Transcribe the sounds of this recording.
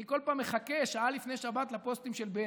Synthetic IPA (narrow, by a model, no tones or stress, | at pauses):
iko̞lpaːmːeχake̞ʃaalifneʃabat̪lapo̞st̪imʃelbe